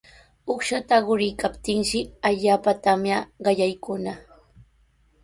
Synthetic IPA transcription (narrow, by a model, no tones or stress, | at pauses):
oχʃat̪aɢʊɾɪjkapt̪ɪŋʃɪaʎaːpat̪amjaɢɑʎajkʊna